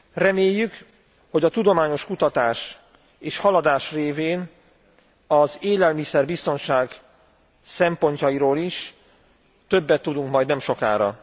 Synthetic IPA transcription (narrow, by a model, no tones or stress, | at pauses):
rɛmeːjːyk | ho̞ɟɒt̪ud̪o̞maːɲo̞ʃkut̪ɒt̪aːʃ | eːʃhɒlɒd̪aːʃreːveːn | ɒzeːlɛlmisɛrbist̪o̞nʃaːɡ | sɛmpo̞ɲcɒiɾoːliʃ | t̪ø̞bːɛt̪ːud̪uŋkmɒjd̪nɛmʃo̞ka̰ːɾɒ̰